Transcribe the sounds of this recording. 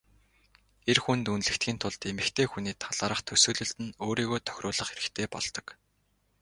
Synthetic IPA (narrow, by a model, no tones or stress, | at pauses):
erxunt̪unɮɘ̆kt̪xʲiːnt̪ʰʊɮt̪emɘ̆kt̪ʰeːxuniːt̪ʰaɮ̥aːɾə̆χt̪ʰɵsɵːɮɵ̆ɬt̪ɘ̆noːɾiːɣoːt̪ʰœ̥xʲɾrʊːɮə̆χeɾɘ̆xt̪ʰeːpɔ̰ɮt̪ɞ̆k